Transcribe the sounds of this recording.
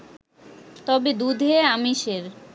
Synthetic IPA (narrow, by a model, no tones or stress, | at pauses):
t̪ɔbed̪ud̪ʱeamiʃeɾ